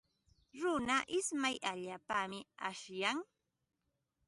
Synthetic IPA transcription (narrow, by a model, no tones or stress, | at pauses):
ɾʊnaʔɪsmajʔaʎaːpamɪa̰ʃjaŋ